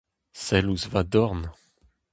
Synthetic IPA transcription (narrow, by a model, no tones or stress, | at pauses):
sɛluzvad̪ɔʁn